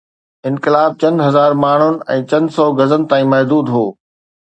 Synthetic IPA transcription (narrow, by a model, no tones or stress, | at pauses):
ɪ̃nkɪlaːb̚t͡ɕɐ̃nd̪ɦɐzaːɾmaːɳ̤ʊnɪ̆ɛ̃ːt͡ɕɐ̃nd̪sɔːɡɐzənɪ̆t̪ãːĩːmɐɦd̪uːd̪ɦoː